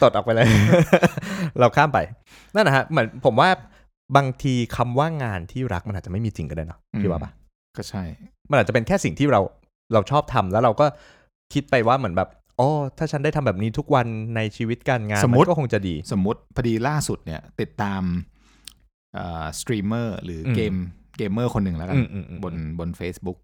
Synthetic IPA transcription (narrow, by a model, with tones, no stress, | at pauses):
t̪o˨˩t̪ʔɔː˨˩k̚pa˧jlɤː˧ | ɾa˧wkʰaː˥˩mpa˧j | na˥˩nːa˦˥kʰa˦˥mɯ˩˦ənpʰo˩˦mwaː˥˩ | baː˧ŋt̪ʰiː˧kʰa˧mwaː˥˩ŋaː˧nt̪ʰiː˥˩ɾa˦˥k̚ma˧nʔa˨˩t͡ɕa˨˩ma˥˩jmiː˧t͡ɕi˨ŋka˧˩da˥˩jnɔ˦˥i˦˥waː˥˩pa˧˩ | kɔ˥˩t͡ɕʰa˥˩jma˧nʔa˨˩t͡ɕa˨˩pe˧nkʰɛː˥˩si˨˩ŋt̪ʰiː˥˩ɾa˧w | ɾa˧wt͡ɕʰɔː˥˩p̚t̪ʰa˧mlɛː˦˥wɾa˧wkɔː˥˩ | kʰi˦˥t̪̚pa˧jwaː˥˩mɯ˩˦ənbɛː˨˩p̚ | ʔɔː˧˩t̪ʰaː˥˩a˥ndaː˥˩t̪ʰa˧bɛː˨˩p̚niː˦˥t̪ʰu˦˥k̚wa˧nːa˧jt͡ɕʰiː˧wi˦˥t̪̚ka˧nŋaː˧no˩˦a˧˦˥kːkʰo˧ŋt͡ɕa˨˩diː˧so˩˦mːu˦˥t̪̚pʰa˧diː˧laː˥˩su˨˩t̪̚ni˥˩ɐt̪i˨˩t̪ːaː˧m | ʔaː˨˩st̪ɾiː˧mɤː˥˩ɾɯː˩˦˧keː˧mkeː˧mːɤː˥˩kʰo˧nːɯ˨˩lɛ˦˥kaː˧n˩ʔɯː˧mʔːbo˧nbo˧nfeː˦˥sbu˦˥k̚